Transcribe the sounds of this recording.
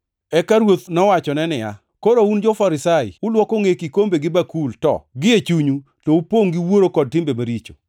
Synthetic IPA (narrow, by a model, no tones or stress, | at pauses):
ɛkaɾwot̪nɔwat͡ʃɔnɛnɪja̰ | koɾound͡ʒɔfaɾɪsajɪ̰ʊlwɔkoŋekikombeɡɪbakultɔ̰ɡɪet͡ʃuɲu | toupoŋɡiwoɾokɔd̚tɪmbemaɾit͡ʃo̥